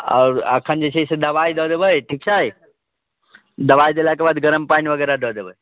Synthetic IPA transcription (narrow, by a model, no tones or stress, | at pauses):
ɔ̰ːɾə̰kʰənd͡ʒet͡ʃʰesed̪ɐʋaid̪ɔd̪ebəjʈʰiːk̚t͡ʃʰai | d̪ɐʋaid̪elakebad̪ɡəɾəmpanʋəɡɛːɾad̪oːd̪ebəi